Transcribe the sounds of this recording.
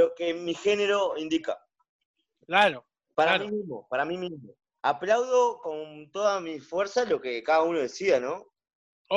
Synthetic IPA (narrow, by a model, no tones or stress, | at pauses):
okemixe̞neɾo̞ind̪ika̰ | klaɾo | paɾamimizmo̞̰paɾamimizmo̞ | aplawðo̞ko̞nt̪o̞ðamifwe̞ɾsalo̞kekaðauno̞ð̞e̞siðano